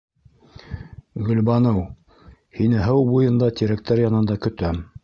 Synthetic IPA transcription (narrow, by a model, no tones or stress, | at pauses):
ɡɵ̆lbɑnɤw | hinɘɦɤwbujɤ̆nd̪ɑt̪ʲiɾæk̚t̪æɾjɑnɤ̆nd̪ɑkɵ̆t̪æm